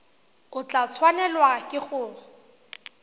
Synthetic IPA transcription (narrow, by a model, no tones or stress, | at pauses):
ʊt͡ɬat͡sʰwanɛlwakʼɪχʊːbɔ